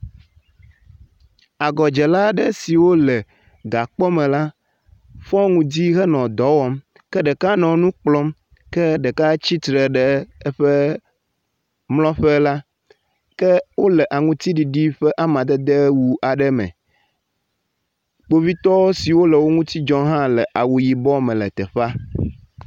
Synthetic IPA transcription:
a˨ɡɔ˨d͡ʒɛ˨la˦ɖɛ˦si˨wo˦lɛ˨ | ɡa˨k͡pɔ˦mɛ̃˨la˦ | ɸɔ̃˦ŋũ˦d̪i˦ɣɛ˦nɔ̃˨d̪ɔ˨˦wɔ˦m | kɛ˦ɖɛ˨ka˦nɔ̃˨nũ˦k͡plɔ˦m | kɛ˦ɖɛ˨ka˦t͡ɕi˦t̪ɾɛ˨ɖɛ˨ɛ˦ɸɛ˦ | mlɔ̃˦ɸɛ˦la˦ | kɛ˦wo˦lɛ˨ʔa˨ŋũ˦t̪i˦ɖi˨ɖi˦ɸɛ˦ʔa˦mã˨d̪ɛ˦d̪e˦wu˨a˨ɖɛ˦mɛ̰̃˨ | k͡po˦vi˦t̪ɔ˦wo˦si˨wo˦lɛ˨wo˦ŋũ˦t̪i˦d͡ʒɔ̃˦ɦã˦lɛ˨ʔa˨wu˨ji˨bɔ˦mɛ̃˨lɛ˨t̪ɛ˨ɸa˦

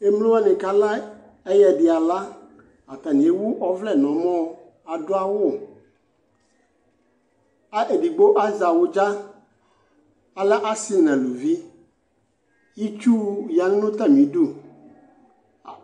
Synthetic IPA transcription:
e˦mlõ˦a˦nẽ˨ka˦la˦ | e˦jɛ˨ɖi˨a˨la˦ | a˨t̪a˨nĩ˨e˦wu˦ʔɔ˦vlɛ˦˨nɔ̃˨mɔ̃˦˨˦ | a˨do˦a˦wo˦˨ | a˦ʔe˨ɖi˨ɡ͡bo˦ʔa˦za˨wo˦d͡ʒa˦ | a˨lɛ˦ʔa˦si˦nã˨lu˨vi˦ | ji˦t͡ʃu˦ja˨ŋ˦nʊ̃˦t̪a˦mĩ˨˦ɖu˦˨

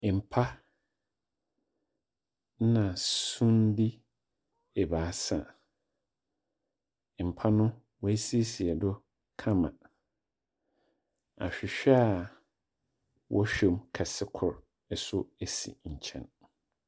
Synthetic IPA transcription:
m̩˨pʰa˦ | n˦nã˨sũ˦ndi˦ | ɛ˨baː˨˦sã̰˨ | m̩˨pʰa˦nʊ̃˦ | wɔ˦æ˦si˦e˦si˨ɛ˨dɔ˦ | kʰã˦mã̰˨ | a̰˨ɕᶣɪ˨ɕᶣɛ˦a˨ | wʔɔ˦ɕᶣɛ˨mkʰa˨sɪ˦kʰʊ˨ɾ | ɛ˨sʊ˦æ˨sḭ˨ɲ̩˨t͡ɕʰɛ̰̃˨n

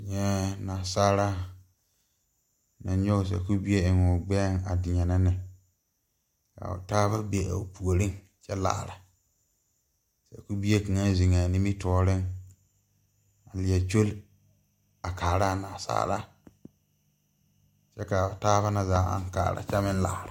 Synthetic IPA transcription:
ɲɛ˦naː˨saː˦ɾa˦ | na˨ɲo˦˨s̬a̰˨ku˦bi˦e˦ɪ˨ŋʊ˨ɡ͡bɛ˦ŋa̰˨dɪ˨ɲɛ˨na˦nɪ˨ | ka̰˨ʊ̰˨taː˦ba˦be˨a̰˨pu˨o˨ɾɪ˦ŋ | t͡ʃɛ˦la̰ː˨ɾa˨ | sɛ̰˨ku˦bi˦e˦ka˨ŋa˦zi˨ŋa˨ni˦mi˦tɔː˦ɾɪ˦ŋ | a˨lɪ˨ɛ˨t͡ʃo˦l | a˨kaː˨ɾa˦˨naː˨sa̰ː˦ɾa̰˦ | t͡ʃɛ˦ka˨ʊ˨taː˦ba˦na˨zaː˨˦a̰˦˨ŋka̰ː˨ɾa̰˨t͡ʃa˦mɪ˦n˦la̰ː˨ɾa˨

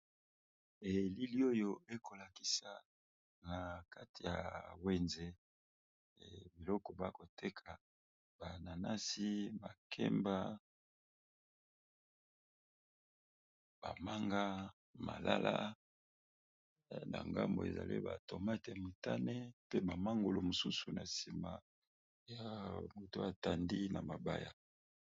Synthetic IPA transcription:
e˨li˦li˦o˦jo˦e˦kʰo˨la˨ki̥˨sa˨ | na˨ka˦ti˨ja̰˨we˨nze˦˨ | bi˨lɔ˦kɔ˨ba˦ko˨tʰe˦kʰa˨ | ba˨na˨na˦si˦ma˨kʰɛ̰˦mba˦ | b̥a˨ma˦ŋɡa˦ | ma̰˨la˦lʔa˦ | na̰˨ŋɡa˦mbo̰˨ḛ˨za̰˨lḭ˦ba̰˨to˨ma˦te˨mo˨ta˦ne˦pe˦ba˨ma˦ŋɡo˨lo˨mo˨su˦su˨na˨si˨ma˨ | ja˨mo˨to˦a˨ta˨ndi˦na˨ma˨ba˦ja˨

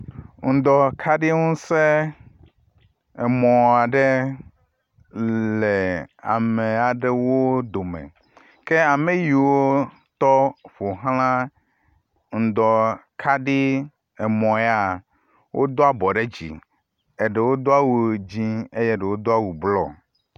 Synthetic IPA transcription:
ŋ̩˨d̪ɔ˨kʰa˦ɖi˦ŋũ˦se˦ | ɛ˨mɔ̃˨a˨ɖe˦ | le˨a̰˨me˨a˨ɖe˦wo˦d̪o˨mɛ̰˨ | ke˦a˨me˨ji˨wo˦ | t̪ɔ˦ɸo˨ɦlã˦ | ŋ̩˨d̪ɔ˨kʰa˦ɖi˦ | ɛ˨mɔ̃˨˦a˨ | wʔo̰˦d̪o˦a˦˨bɔ˨ɖe˦d͡ʑḭ˨ | e˨ɖɛ˨wo˦d̪o˦a˦wu˦˨d͡ʑĩ˦e˦jɛ˦ɖe˨wo˦d̪o˦a˦wu˨blɔ̰˦

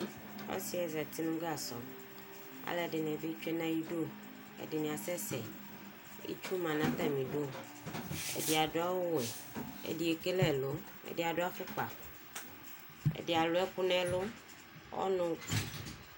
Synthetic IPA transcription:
ɔ̰˦si˦ɛ˨za˨t̪i˦nũ˦ɡa˦˨sɔ̰˨ | a̰˨lɛ˨ɖe˨nɛ̃˨be˦t͡ʃu˦e˦nã˦ji˦ɖo˦˨ | ḛ˨dɪ˨mĩ˨a˨sɛ˦sɛ̰˨ | ḭ˦t͡ʃu˦mã˨nã˦t̪a˦˨mĩ˨ɖo˦˨ | ḛ˨di˨a˨do˦a˦wo˦wɛ˨ḛ˨di˨˦e˨ke˦lɛ˦˨lo˦ | ḛ˨de˨a˨ɖo˦a˦fu˦k͡pa̰˨ | ḛ˨de˨a˨lo˨˦ɛ˦pu˦nɛ̃˦lo˦ | wɔ̰˦nõ˦˨

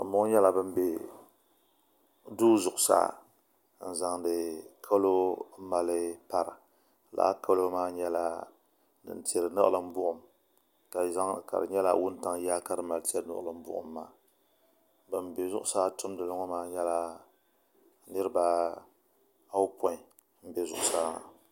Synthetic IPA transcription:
a̰˨mʊ˦ŋ˦ɲɛ˦la˦˨bɨ˦m˦be˨ | duː˦zʊ˨ʔʊ˨sa̰ː˦ | n̩˨za˨ŋdɨ˨kʰa˦lo˦ma˨lɨ˦pa˦ɾɨ˨ | la̰ː˦kʰa˦lo˦maː˦ɲɛ˦la˦ | dɨ̰˨nti˨ɛ˨ɾɨ˨nɨ̰˦ʔɨ̰˦˨lɨ˦m˦bʊ˦ʔʊ˨m | ka˨za˦ŋ̰˨ka̰˨ɾɨ̰˨ɲɛ˦la̰˦wʊ˦n˦ta˦ŋ˦jaː˦ka˦ɾɨ˦ma˨lti˦ɛ˦ɾnɨ̰˦ʔlɨ˨m˦bʊ̰˦ʔʊ̰˨mːa̰ː˨ | bɨ˨m˨be˨zʊ˦ʔʊ˦sa˦tʊ˦m˦dɨ˨lɨ˦ŋɔ˦maː˦ɲɛ˦la˦ | nɨ˦ɾɨ˦ba˦ | a˦wpɔ˦ɪ˨ | m̩˦be˨zʊ̰˨ʔʊ˨sa˦

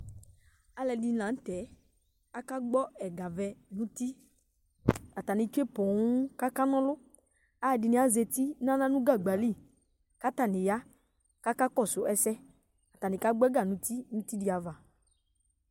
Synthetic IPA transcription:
a˨lɛ˨di˨nã˨n̩˦t̪ɛ˨˦ | a˦ka˦ɡ͡bɔ˦ɛ˨ɡa˨vɛ˨nũ˦t̪i˦ | a˨t̪a˨nɪ̃˨t͡ʃu˦e˦pɔ˨ŋũ˦ka˦ka˦nɔ̃˦lʊ˦ | a˦˨di˨nĩ˨˦a˨ze˧t̪i˦nã˦nã˦nũ˦ɡa˦˨ɡ͡ba˨li˦˨ | ka˦t̪a˦˨nɪ̃˨ja˦ | ka˦ka˦kɔ˦˨sʊ˨ʔɛ˦sɛ˦ | a˨t̪a˨nɪ̃˨ka˦ɡ͡bɔ˦ɛ˦ɡa˨nũ˨˦t̪i˦nũ˦t̪i˦di˨˦a˨va˨

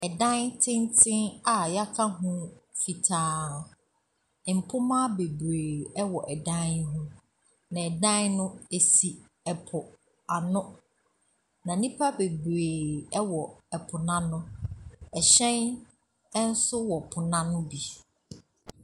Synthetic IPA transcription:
ɛ˨dã˦ntʰɪ̃˦ntʰɪ̃˦na˨ja˦kʰa˦ɦũ˦fi˨tʰaː˨˦˨ | m̩˨pʰʊ˦mã˦be˨bɾeː˨ɛ˦wɔ˨ʔɛ˨dã˦nɦũ˦ | nã˨ɛ˨dã˦nnʊ̃˦e˨si˨ | ɛ˨pʰʊ˨ | a˨nʊ̃˦ | nã˨nĩ˦pʰa˦be˨bɾeː˨ɛ˦wɔ˨ɛ˨pʰʊ˨nã˦nʊ̃˦ɛ˨ɕɛ̃˦n | ɛ˦n̩˦sʊ˦wɔ˨pʰʊ˨nã˦ñ˦bi˨

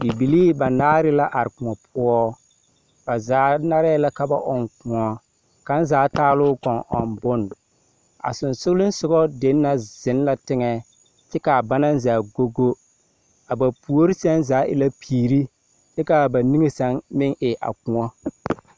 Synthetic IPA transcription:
di˨bi˨liː˦ba˨naː˦ɾɪ˦la˦ʔa˨ɾɪ˨kʊ˨ŋɔ˨pʰʊ˦ɔ˦ | b̥a˨zaː˨˦na˦ɾa˦la˦ka˨ba̰˨ʔɔ˨ŋkʊ˨ŋɔ˦ | ka˦n˦zaː˨˦taː˦lʊː˦kɔ˨ŋʔɔ̰˨mbʊ˦n˨ | a̰˨sʊ˨nsʊ˦lɪ˦n˦sʊ˦ɡɔ˦de˦nː˦a˦zɪ˨˦n˦la˦tɪ˦ŋɛ˨ | t͡ʃɪ˦ka˨ba˦na˦n˦zaː˨ɡo˦ɡo˦ | a˨ba˨pu˨o˦ɾi˦sɛ˦nzaː˨˦ʔɪ̰˨la˦pʰiː˨ɾi˦ | t͡ʃɛ˦ka˨ba˨ni˦ŋe˨sa˦ŋmɪ˦ŋʔɪ˨ʔa̰˨kʊ̃˨ŋɔ˦

